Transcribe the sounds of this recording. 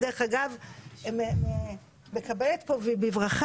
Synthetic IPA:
deʁeχaɡavmeme | mekabelet̪povibivʁaχ

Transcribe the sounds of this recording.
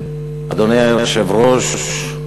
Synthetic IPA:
a̰d̪onejajajʃevɾoʃʃ

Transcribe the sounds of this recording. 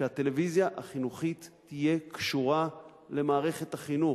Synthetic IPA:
eat̪e̞le̞vizjaʔaχinuχit̪ːije̞kʃuʁa | le̞maːʁe̞χe̞t̪aχinu

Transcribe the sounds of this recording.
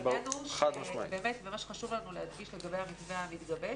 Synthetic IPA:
banuχad̪maʃmaḭbeːme̞t̪memaʃχaʃuvlanulehad̪ɡiʃleɡabejhamit͡svehamit̪ɡabe

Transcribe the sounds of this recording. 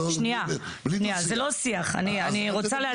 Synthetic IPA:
ʃnia | niazelosiaχa̰nianiʁot͡salea

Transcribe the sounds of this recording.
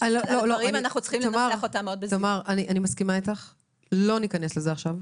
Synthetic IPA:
alololoimanaχnut͡sχimomaʁot̪ameod̪belomaʁʔaniʔanimaskimaitaχ | lo̞nikane̞slezeaχʃav

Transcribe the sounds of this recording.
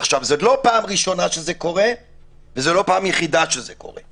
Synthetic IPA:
χʃavzolo̞paːmʁiʃo̞naʃezeko̞ʁe | vezelo̞paːmjeχid̪aʃezeko̞̰ʁḛ

